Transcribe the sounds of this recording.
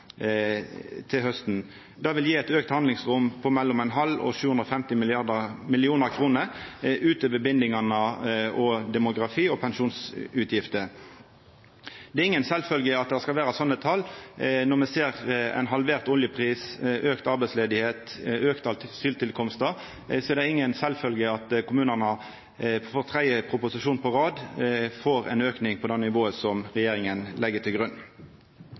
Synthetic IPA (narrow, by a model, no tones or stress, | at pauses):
t̪ʰɪlhœst̪n̩ | d̪ɑːʋɪljiːæɛt̪øːkt̪hɑnd̪lɪŋsʁʊmpʰɔmɛlːɔmɛnɦɑlːɔ̰ʃʉːɵnd̪ʁɔfɛmt̪ɪmɪlɪɑʁd̪əmɪlɪuːnəʁkʰɾuːnəʉːt̪əʋəbɪnd̪ɪŋɑnəʔɔd̪ɛmʊɡʁɑfiːɔpʰɛnʃuːnsʉːt̪ʰjɪft̪ə | d̪ɛɪŋːənsɛlfœlɡəɑt̪̚d̪ɛæskɑlʋæːɾɑsɔnːət̪ʰɑlːnɔʁmɛseːʁɛ̰ɪnɦɑlʋeːʁt̪ɔljəpʰʁiːsʔøːkt̪ɑɾbɛɪsleːd̪ɪheːt̪øːkt̪ɑlt̪syːlt̪ɪlkʰɔmst̪ə | sɔɛɾd̪ɛɪŋːənsɛlfœlɡəɑt̪kʰʊmʉːnənə | foːʁt̪ʰʁæɪəpʰʁʊpʊsɪʃuːnpʰɔʁɑːd̪foːɾɛ̰ɪnøːknɪŋpʰɔd̪ɛnːɪʋoːəsɔmʁɛjeːɾɪŋənlɛɡət̪ʰɪlɡɾʉnː